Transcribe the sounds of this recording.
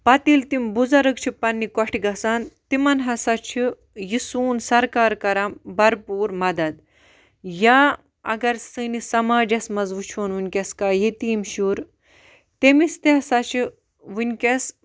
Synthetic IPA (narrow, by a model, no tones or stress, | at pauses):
pɐt̪ilt̪imbuzɐɾɨkt͡ʃʰipɐnːikɐʈʰiɡɐsaːnt̪imɐnɦɐsat͡ʃʰi | jisuːnsɐɾkaːɾkɐɾambɐɾpuːɾmɐd̪ɐd̪ | jaː | ɐ̰ɡɐɾsɨnisɐmaːd͡ʒɐsmɐzʋut͡ʃʰoːnʋunʲkʲɐskaːjit̪iːmʃuːɾ | t̪emist̪iɦɐsat͡ʃʰi | ʋunʲkʲes